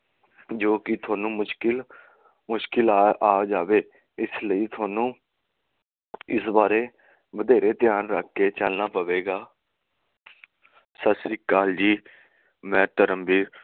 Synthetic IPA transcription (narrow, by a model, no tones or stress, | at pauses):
d͡ʒoːkɪt̪ʰʊaːnũːmʊʃkɪl | mʊʃkɪlaːd͡ʒaːʋeː | ɪsləiːt̪ʰʊaːnũː | ɪsbaːɾeː | bəd̪eːɾeːt̪ɪjaːnɾəkʰːeːt͡ʃəlnaːpəʋeːɡaː | səsiːkaːld͡ʒiː | mɛ̃ːt̪əɾəmbiː